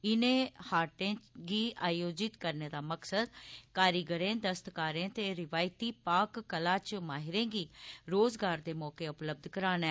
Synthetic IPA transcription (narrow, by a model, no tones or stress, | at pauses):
ɪnẽːhaːɾʈẽːɡiːaːjoːd͡ʒɪt̪kəɾneːd̪aːməksəd̪kaːɾiːɡəɾẽːd̪əst̪kaːɾẽːt̪eːɾɪʋaːɪt̪iːpaːkːəlãːt͡ʃmaːɦɪɾẽːɡiːɾoːzɡaːɾd̪eːmɔːkeːʊpləb̚d̪ʱkəɾaːnɛː